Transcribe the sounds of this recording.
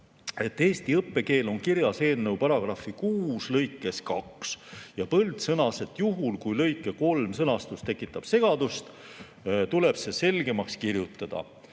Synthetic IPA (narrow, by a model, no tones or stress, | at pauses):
e̞t̪ːˑe̞ːst̪iɤpːe̞ke̞ːlo̞nkiɾjɑse̞ːnːewpɑɾɑɡ̥rɑfːikuːslɤjkːˑe̞skɑksjɑpɤld̪sɤnɑse̞t̪ːˑjuɦulkujlɤ̞jkːˑe̞ko̞lmsɤnɑst̪ust̪e̞kːˑit̪ːˑɑb̥se̞ɡ̥ɑd̪̥ust̪ | t̪ule̞b̥se̞se̞lɡe̞mɑkskirjut̪ːˑɑd̪̥ɑ̰